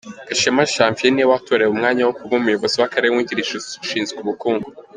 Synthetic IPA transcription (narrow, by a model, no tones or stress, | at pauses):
ɡ̥aʃemaʃaːɱfieniwatoɾeumŋaːɲawokuβomujo̞βo̞ziwakaɾewiɟiɾiʃuuʃiːnzekuβukuːŋɡu